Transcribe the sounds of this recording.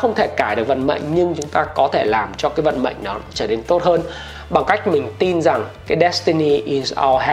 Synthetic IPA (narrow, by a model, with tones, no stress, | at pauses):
xə˧wŋ͡mt̪ʰe˧˩kaː˧˩jɗɨ˨˩ək̚və̰˧˨nmə̰˧˨jŋ̟ɲɨ˧ŋt͡ɕʊ˨˦ŋ͡mt̪aː˧kɔ˨˦t̪ʰe˧˩laː˨˩mt͡ɕɔ˧kaː˨˦jvə̰˧˨nmə̰˧˨jŋ̟ɗɔ˨˦t͡ɕəː˧˩ne˧nt̪o˦˥t̚həː˧n | ɓa˨˩ŋka˦˥jk̟̚mï˨˩ŋ̟t̪i˧nza˨˩ŋkaː˨˦jɗɛ˦˥st̪i˧ni˧ʔi˨˩za̰˧ɦ